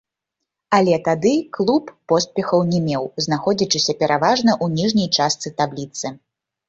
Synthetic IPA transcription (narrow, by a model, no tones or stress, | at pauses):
ɐlʲɛt̪ad̪ɨklˠupːɔspʲɛxɐwnʲɛmʲɛwzn̪axɔd͡zʲit͡ʂɨsʲɐpʲɛɾʔavaʐnɐʔunʲiʐnʲɐjt͡ʂast̪sɨt̪ablʲit̪sɨ